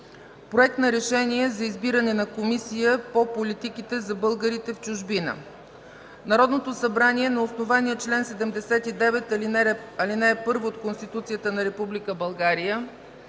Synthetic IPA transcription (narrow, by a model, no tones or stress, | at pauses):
pɾoɛk̚t̪nɐɾɛʃɛniɛzɐizbiɾɐnɛnɐkomisijəpopolit̪ikit̪ɛzɐbɤlˠɡəɾit̪ɛft͡ʃʊʒbinə̰ | nɐɾɔd̪not̪osɐbɾaniɛnɐosnovaniɛt͡ʃlɛnsɛd̪ɛmd̪ɛsɛt̪id̪ɛvɛt̪lɐlinɛɛpɤɾvoːt̪konst̪it̪ut̪sijət̪ənɐɾɛpublikəbɐlˠɡaɾijə